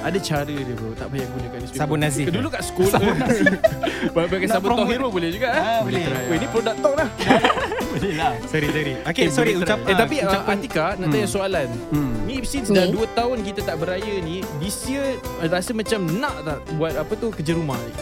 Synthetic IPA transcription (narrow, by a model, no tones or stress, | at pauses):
adat͡ʃaɾədut̪ut̪aʔbajaɡunəkanisisabʊnazɪdulukaʔsə̥kul | babakansabʊɾɔt̪ɔiɾəbulɛhd͡ʒuɡaʔbɛɾaaəinipɾodak̚t̪ɔk̚lah | lilasəɾisəɾiokesɾiuat̪apiaʔat̪ikanaʔt̪ajaʔsoalanniːp̚sisdaduət̪aʊnkit̪at̪aʔbəɾajənidisiəɾasəmat͡ʃamnãʔt̪aʔbuat̪̚apət̪ukəd͡ʒəɾumahi